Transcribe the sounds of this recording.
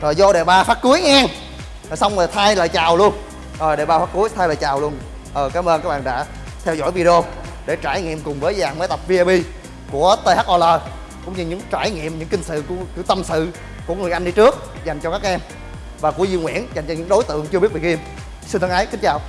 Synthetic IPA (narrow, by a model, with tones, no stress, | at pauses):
zɔː˨˩zɔ˧ɗe˨˩ɓaː˧faː˦˥t̚ku˨˦əjŋɛː˧n˨˩ | sa˧wŋ͡mə˨˩t̪ʰaː˧jlaː˨˩t͡ɕaː˨˩wlu˧ən | ɔː˨˩ɗe˨˩ɓaː˧˩faː˦˥t̚ku˨˦əjt̪ʰaː˧jlaː˨˩t͡ɕaː˨˩wlu˧ən | ʔəː˨˩kaː˨˦mʔəː˧nkːa˦˥ɓa̰ː˨ɗa̰ː˧˥ | t̪ʰɛ˧wzɔ̰˧˩˨jvi˧ɗi˧o˧ | ɗe˧˩t͡ɕaː˧˩jŋḭ˧˨əmkʊ˨˩ŋ͡mvəː˨˦jzaː˨˩ŋmə˨˦t̪ə˨˩p̚vi˧a˧ɓi˧ | ku˧˩ət̪ə˧haː˦˥k̚ʔɔ˧ləː˧˩ | kʊ̰˧˥ŋ͡mɲɨ˧ɲɨ̰˧˥ŋt͡ɕaː˧˩jŋḭ˧˨əmɲɨ̰˧˥ŋkï˧ŋ̟sɨ̰˧˨ku˧˩əkɨ˧˩t̪ə˧msɨ̰˧˨ | ku˧˩əŋɨ˨˩əjʔa˧ŋ̟ɗi˧t͡ɕɨ˦˥ək̚ | za˨˩jŋ̟t͡ɕɔ˧kaː˦˥k̚ʔɛ˧m | vaː˨˩ku˧˩əzi˧nŋwḭ˧˥ənza˨˩jŋ̟t͡ɕɔ˧ɲɨ̰˧˥ŋɗo˨˦jt̪ɨ̰˧˨əŋt͡ɕɨ˧ɓi˦˥ət̚ɓi˨˩k̚i˧əm | si˧nt̪ʰːŋʔə˨˦jkï˨˦ŋ̟t͡ɕaː˨˩w